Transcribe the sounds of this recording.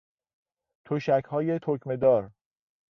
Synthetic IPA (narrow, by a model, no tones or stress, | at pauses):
t̪ʰoʃæcʰhɒːje̞t̪ʰokʰme̞d̪ɒːɾ